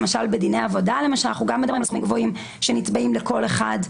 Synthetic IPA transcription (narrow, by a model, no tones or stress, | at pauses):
maʃalbedinejavo̞dalemaʃalnaχuɡamːedabʁimlsχumimŋɡvo̞im | ʃenitbaʔimleko̞leχad